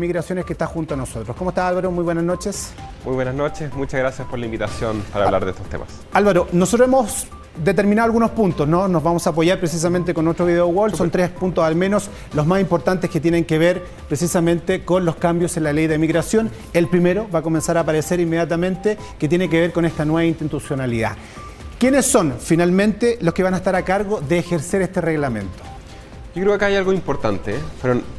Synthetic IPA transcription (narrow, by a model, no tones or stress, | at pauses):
miɣɾasjo̞neskest̪axunt̪oanosot̪ɾokomoest̪asalβaɾomujβwenasno̞t͡ʃesmujβwenasnot͡ʃesmut͡ʃaɣɾasjaspoɾlaimbit̪asjonpaɾaːβla̰ɾðeḛst̪o̥t̪ḛma̰s | alβaɾonosot̪ɾoemos | d̪et̪eɾminaðoalɣunospunt̪osnonozβamosaːp̬oʝaɾpɾes̬is̬ament̪̬ekonot̪ɾoβiðeoɣwolfsont̪ɾespunt̪osalme̞nos | lozmasimpo̞ɾt̪ant̪ehket̪jeneŋkeβeɾ | pɾesisamẽ̞nt̪ekonloskambjosenlalejðemiɣɾasjo̞n | elpɾimeɾoβako̞me̞nsaɾapaɾeseɾimːe̞ðjat̪amẽ̞nt̪e | ket̪jenekeβeɾkonest̪anwe̞βaint̪it̪usjonaliða̰ | kjenesːo̞nfinalmẽ̞nt̪eloskeβanaest̪aɾakaɾɣoðeːxeɾseɾest̪ereɣlamẽ̞̰nt̪o̥ | kokɾeokakaajalɣoimpoɾt̪a̰nt̪efeɾon